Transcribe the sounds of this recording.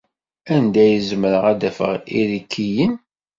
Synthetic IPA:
ænd̪æjəzməɾəʁæd̪æfə̰ʁiɾikʰːijən

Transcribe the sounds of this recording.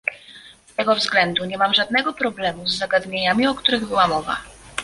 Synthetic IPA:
st̪ɛɡɔvzɡlɛnd̪uɲɛmamʐad̪̚nɛɡɔpɾɔblɛmuzːaɡad̪ɲeɲamʲiɔkt̪uɾɘɣbɘwamɔva̰

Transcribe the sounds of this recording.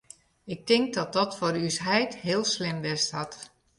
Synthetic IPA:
ɪk̚tɪŋk̚dɔt̚dɔtforysɦɛjthɪəlˠslɪmʋɪsthɔt

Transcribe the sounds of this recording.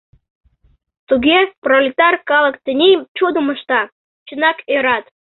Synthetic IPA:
t̪uɡʲeprolʲit̪ɑrkɑlˠə̆kt̪ʲɘ̆nʲejt͡ɕud̪əmə̆ʃt̪ɑ | t͡ɕənɑkeɾɑt̪

